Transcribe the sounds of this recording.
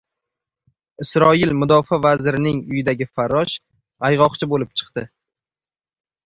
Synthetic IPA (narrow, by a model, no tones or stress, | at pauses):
ɪsɾɒɪlmʊd̪ɒfavazɾɪnɪŋʊjɪd̪aɡʲɪfaɾɒʃ | ajʁɒqt͡ʃʰɪbolɪp̚t͡ʃʰɨ̥qt̪ɪ